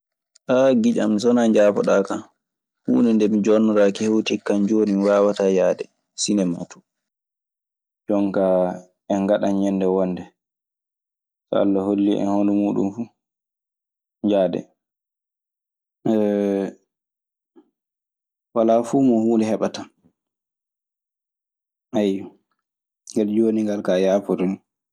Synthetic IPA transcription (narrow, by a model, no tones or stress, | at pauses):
ʔaɡid͡ʒa̰msɔnaɲd͡ʒaːpɔ̰ɗaːka | hṵːnɛndɛmid͡ʒɔnːɔɾakihewtikːand͡ʒoːniwaːwatajaːdɛ | sinɛma̰tu̥ | d͡ʒɔŋka | ɛŋɡaɗanɲɛndɛwɔndɛ | sɔa̰lːɔholːiʔɛ̰honɔmuːɗṵmfu | ɲd͡ʒaːdɛ̰ | walafuːmɔhuːlɛhɛɓata | ʔaj | ŋɡald͡ʒoniŋɡalkajapɔɾɔni